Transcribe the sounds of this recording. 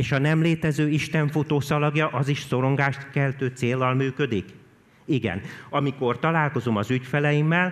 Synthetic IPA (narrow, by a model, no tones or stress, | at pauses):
eːʃɒnɛmleːt̪ɛzøːiʃt̪ɛɱfut̪oːsɒlɒɡjɒʔɒziʃso̞ɾo̞ŋɡaːʃt̪kɛlt̪øːt̪seːlːɒlmyːkø̞d̪ik | iɡɛ̰nɒmiko̞rt̪ɒlaːlko̞zo̞mɒzycfɛlɛjimːɛl